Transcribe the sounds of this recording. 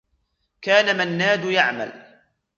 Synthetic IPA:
kaːnamanːaːd̪jaʕma̰l

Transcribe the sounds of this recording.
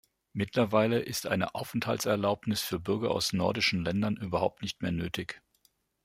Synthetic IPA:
mɪtlɐvaɪləʔɪstʔa̰ɪnə̰ʔaʊfɛn̩thaltt͡sɛɐlaʊpnɪsfyːɐbʏɐɡɐa̰ʊsnɔɐdɪʃn̩lɛndɐnʔyːbɐhaʊp̚tnɪçtmeːɐnøːtʰɪç

